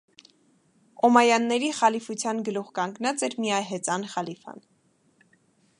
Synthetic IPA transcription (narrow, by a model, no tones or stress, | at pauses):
ɔmɑjɑnːɛɾiχɑlifut͡sʰjɑnɡəluʁkɑŋɡnɑt͡sɛɾmijɑjɦɛt͡sɑnχɑlifɑ̰n